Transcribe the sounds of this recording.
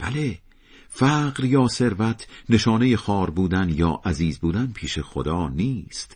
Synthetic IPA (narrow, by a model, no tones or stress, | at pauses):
b̥æ̰le̞ | fæɢɾjɒːse̞ɾvæt̪ʰne̞ʃɒːne̞jexɒːɾbuːd̪ænjɒːʔæziːzbuːd̪ænpʰiːʃe̞xod̪ɒːniːst̪